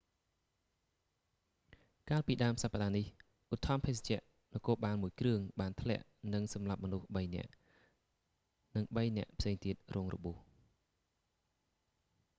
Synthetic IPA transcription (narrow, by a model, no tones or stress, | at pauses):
kaːlpiːɗaəmsapːəɗaːnih | ʔut̪ʰːɑmpʰeːst͡ɕɛ̆əʔ | nɔkoːlɓaːlmuəjkrɨəŋɓaːnt̪ʰlɛ̰̆əʔnɨŋsɑmlap̚mɔnuhɓəjnɛ̰̆əʔ | nɨŋɓəjnɛ̆əʔpʰseːŋt̪iət̪̚rʔoːŋrɔ̰ɓuəh